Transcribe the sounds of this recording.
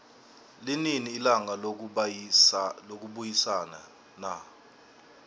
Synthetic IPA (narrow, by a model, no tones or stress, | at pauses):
lininiːlaŋa | lok̬uɓujisana̰ | na